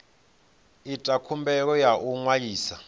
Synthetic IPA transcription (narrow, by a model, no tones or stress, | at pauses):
itʼakʰumbɛk̬ɔjaʔuŋwajiːsa